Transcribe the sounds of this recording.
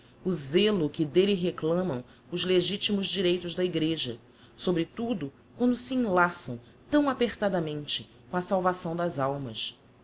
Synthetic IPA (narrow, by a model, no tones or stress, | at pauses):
ʊzelʊkɪd̪eliɦeklɐ̃mɐ̃w̃ | ʊzleʒit͡ʃimʊzd͡ʒiɾejt̪ʊzd̪ɐiɡɾeʒɐ | sobɾɪt̪ud̪ʊ | kwɐ̃nd̪ʊsiẽlasɐ̰̃w̃ | t̪ɐ̃w̃apeχt̪ad̪ɐmẽnt͡ʃɪ̥ | kõɐsawvasɐ̃w̃d̪ɐzawmɐs